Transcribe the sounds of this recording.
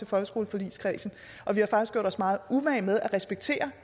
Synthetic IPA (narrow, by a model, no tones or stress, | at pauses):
e̝fɒ̽lɡ̥əsɡ̥o̝ːl̩fɒ̽lḭːskʰʁɛ̰ːsn̩ | ʔɒ̽ʋihɑ̈fɑ̈ɡ̥isɡ̥o̝̰d̥ɒ̽smɑ̈ːð̞̩ˠumæɪmeð̞ˠæʁɛsb̥eɡ̥̚t͡sʰe̝̰ːɐ